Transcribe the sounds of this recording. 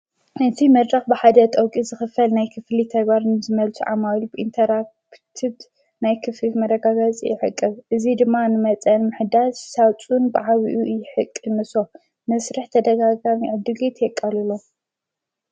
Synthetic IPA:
ɨnt̪ʰimɐd̪ɾaxbɨħad̪ɐt̪ʼɐwkʼizɨxɨfɐlnajkʰɨflit̪ʰɐɡbaɾnɨzɨmɐlt͡sʰuʕa̰malubɨʔint̪ʰɐɾak | t̪ʰiβ | najkʰɨflimɐɾɐɡaɡɐt͡sʼjɪ̰ʕɨ̰kʼːɨβʔɨzid̪ɨmːanɨmɐt͡sʼɐnmɨħɨd̪azsawt͡sʼunbɨʕaβiʔujɪħɨkʼːɨnɨso̞ | mɐsɾɨħt̪ʰɐd̪ɐɡaɡamiʕɨd̪ɨɡet̪ʰjɛkʼːalulo

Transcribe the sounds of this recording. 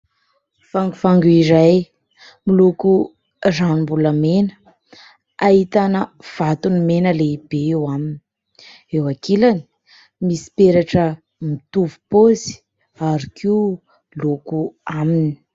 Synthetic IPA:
faŋɡufaŋɡuiɾaj | miluku | ranimbuləmenə̥ | ait̪anəv̥at̪unimenəleibeewamini | ewakelani̥ | misi̥peɾaʈ͡ʂə | mit̪uvupozi̥ | aɾikʰi | lokuamini̥

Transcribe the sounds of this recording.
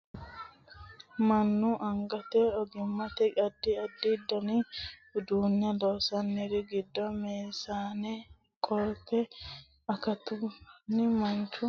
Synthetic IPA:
mɐnːʊʔɐŋɡɐt̪ɛɔɡɪmːɐt̪ɛɐd̪ːɪɐd̪ːɪd̪ːɔnɪd̪uːnjɐdoːsɐnːɛɾɪɡɪd̪ːɔmeːsaːnɛ | kʼɔɾtːɛ | ɐkɐt̪ʊnːɪmɐnt͡ʃːʊ

